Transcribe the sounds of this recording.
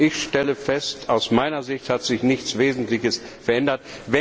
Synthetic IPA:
ʔɪçʃtɛləfɛstaʊsmaɪnɐzɪçthatz̥ɪçnɪçt͡sv̥eːzn̩tlɪçəsfɛɐʔɛndɐtvɛ

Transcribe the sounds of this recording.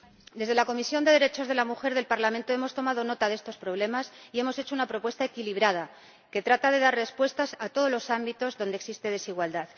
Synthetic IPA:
d̪e̞zðelako̞misjo̞nd̪e̞ð̞e̞ɾe̞t͡ʃo̞zð̞e̞lamuxe̞ɾðe̞lpaɾlamẽnt̪o̞e̞mo̞st̪o̞mað̞o̞no̞t̪aðe̞st̪o̞spɾo̞βle̞masie̞mo̞se̞t͡ʃo̞unapɾo̞pwe̞st̪aekiliβ̞ɾað̞a | ke̞t̪ɾat̪aðe̞ðaɾre̞spwe̞st̪asat̪o̞ðo̞zlo̞sambit̪o̞zðo̞nd̪eksist̪e̞ð̞e̞siɣwald̪að

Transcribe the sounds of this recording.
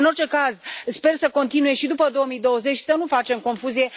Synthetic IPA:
ɨno̞rt͡ʃe̞kazspe̞rsəko̞nt̪inuje̞ʃid̪upəd̪o̞əmijd̪o̞wəze̞t͡ʃʲsənufat͡ʃe̞mko̞nfuzije̞

